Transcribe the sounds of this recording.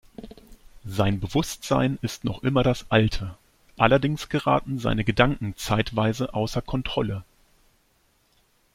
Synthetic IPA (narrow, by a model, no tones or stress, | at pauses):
zaɪnbəvʊstz̥aɪnɪstnɔχʔɪmɐɾasʔaltʰə | ʔalɐdɪŋsɡ̥əʁa̰ːtn̩za̰ɪnəɡədaŋkŋ̩t͡saɪtv̥aɪzəʔaʊsɐkʰɔntʁ̥ɔlə